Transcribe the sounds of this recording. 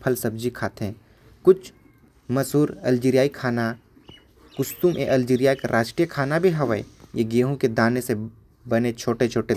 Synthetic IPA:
pʰəlsɐb̚d͡ʒikʰaːt̪ɦẽː | kʊt͡ʃʰ | mɐsuːɾɐ̰ld͡ʒiːɾijaːikʰaːna | kʊst̪umʔḛʔɐld͡ʒiːɾijakɾʔaːʃʈɾijəkʰaːnabʱiɦɐʋəḛjeɡeːɦũked̪aːnese | bɐnet͡ʃʰoːʈet͡ʃʰoːʈe

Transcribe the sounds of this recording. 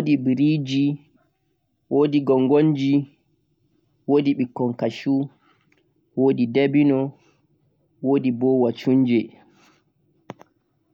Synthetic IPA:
wodibiɾid͡ʒi | woːdiɡɔŋɡond͡ʒi | wodiɓikːɔŋkaʃu | woːdidebinɔ | woːdibɔwat͡ʃuɲd͡ʒɛ

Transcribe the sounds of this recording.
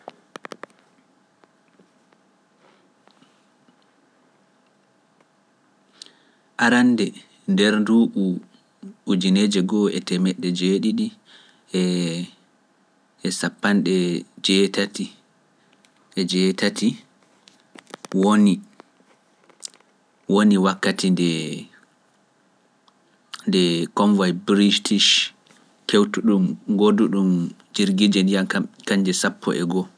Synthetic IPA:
ʔaɾandɛ | ndɛɾduːʔu | ud͡ʒineːd͡ʒɛɡɔɛ̰tɛmɛɗːɛd͡ʒeːɗiɗi | ɛ | ɛsapːanɗɛd͡ʒɛtati | ʔɛd͡ʒɛːtatʰi | woni | woniwakːatʰindɛ | ndɛkɔnvajbɾitiʃ | kewtuɗumɡoduɗum | d͡ʒiɾɡid͡ʒɛndijakaɲd͡ʒɛsapːɔ̰ʔɛ̰ɡɔ

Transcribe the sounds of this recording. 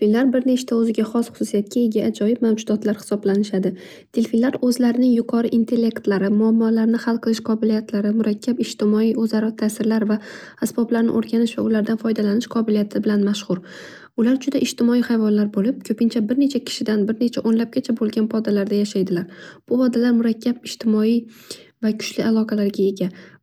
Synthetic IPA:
finlaɾbɪɾne̞t͡ʃt̪ʰaɵzɪɡʲaχɒsχʊsʊsijat̪̚kʲʰaeɡʲaʔad͡ʒɒjɪb̚mawd͡ʒʊd̪ɒt̪ʰlaɾhɪ̥sɒblanɪʃad̪ɪ | t̪ʰelfinlaɾɵzlaɾɪnɪŋjʊqʰɒɾɪʔɪnt̪ʰe̞lʲːe̞kt̪laɾɪmʊamːɒlaɾnɪhalˠqʰɨlˠɪʃqʰɒbɪlijat̪laɾɪmʊɾakʲʰːapɪʒt̪ɪmɒijozaɾɒt̪ʰasɪɾlaɾvaːsbɒblaɾnɪ̰ʔoɾɡʲanɪʃva̰ʊlaɾd̪anfɒjd̪alanɪʃqʰɒbɪlijat̪ʰɪbɪlanmaʃχʊɾ | ʊlaɾd͡ʒʊd̪aʔɪʒ̥t̪ɪmɒijhajvɒnlaɾbolɪp̚kʲʰɵpɪnt͡ʃʰabɪɾne̞t͡ʃʰakʲʰɪ̥ʃɪd̪anbɪɾne̞t͡ʃʰaʔonlap̚ɡʲat͡ʃʰabolˠɡʲanpʰɒd̪alaɾd̪ajaʃajd̪ɪlaɾb̥ʊpɒd̪alaɾmʊɾakʲːabɪʒ̥t̪ʰɪmɒi | vakʰʊ̥ʃlɪʔalˠɒqʰɑlaɾɡʲae̞ɡʲa

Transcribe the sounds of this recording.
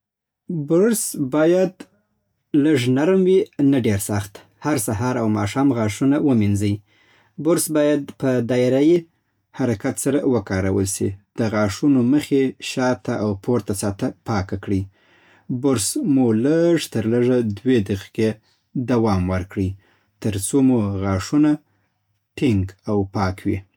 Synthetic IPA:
bʊɾsbɑjad̪ | ləʐnaɾmwinaɖeɾsaxt̪ | haɾsaɦɑɾawmɑʃɑmɣɑʂunawəminzəj | bʊɾsbɑjad̪̚pəd̪ɑɪɾaji | haɾakat̪saɾawəkɑɾa̰wə̰lsḭd̪̥əɣɑʂunoməxeʃɑt̪aʔawpʰoɾt̪asɑt̪apɑkakɽi | bʊɾsmoləʐt̪əɾləʐad̪wed̪əxke | d̪awɑmwəɾkɽi | t̪əɾt͡somuɣɑʂuna | ʈɪŋɡawpɑkwḭ

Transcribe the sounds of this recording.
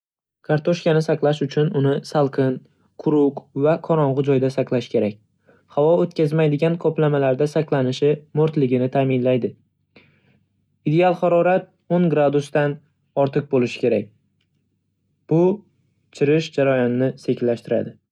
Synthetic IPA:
kʰaɾt̪ʰoʃkʲanɪsaqlˠaʃʊt͡ʃʰʊnʊnɪsalˠqʰɨn | qʰʊɾʊqvaqʰɒɾɒɴʁʊd͡ʒɒjd̪asaqlˠaʃɪ̥kʲʰe̞ɾakʲ | havɒot̪kʲazmajd̪ɪɡʲankʰɒplamalaɾd̪asaqlˠanɪʃɪmʊɾt̪lɪɡʲɪnɪt̪ʰaːmɪnlajd̪ɪ | id̪e̞alˠχaɾɒɾat̪̚ | oŋɡɾad̪ʊst̪an | ɒɾt̪ʰɨq̚bolɪʃɪ̥kʲʰe̞ɾak̚ʲ | b̥ʊ | t͡ʃʰɪɾɪʃd͡ʒaɾajɒnːɪse̞kʲlːaʃt̪ɪɾa̰d̪ɪ

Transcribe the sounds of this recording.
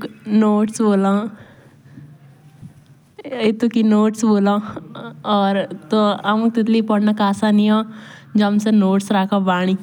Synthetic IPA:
knoːʈsboːlãː | ɪt̪ukinoːʈsboːlã | ɔːɾt̪oamũkt̪ɪt̪̬lipɔɽnakaːsaniɔ̃ːd͡ʒəmsenoːʈsɾaːkʰabaːɽ̃i

